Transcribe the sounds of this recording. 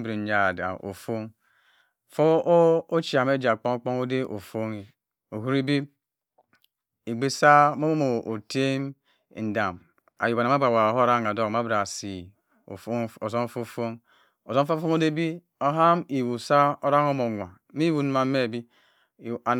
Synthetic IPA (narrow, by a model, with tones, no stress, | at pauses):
bɾi˨d͡ʒa˨da̰˨ʔo̰˨fo˦ŋ | fo˦o˦t͡ʃi˨a˨me˦d͡ʒa˨k͡po˦ŋo˦k͡po˦ŋo˦de˦ʔo̰˨fo˦ŋi˨ | o˨ɦu˦ɾi˦bi˦ | i˨ɡ͡be˦sa˦mo˦mo˦mo˨o˨te˦m˨ | n̩˨da˨m | a̰˨ju˨bna˨˦a˦ba˨wa˨ɦo˦ɾa˦ŋa˨do˦kma˦bɾa˨si˨˦ | o˨zo˦fo˦fo˦ŋ | o˨zo˦fo˦fo˦ŋo˦de˦bi˦ | o˦ɦa˦mi˨wu˨sa˦o˦ɾa˦ŋo˦mo˨ŋʷa˨˦mi˦wu˦n˦ma˨me˦˨bi˦˨ | a˨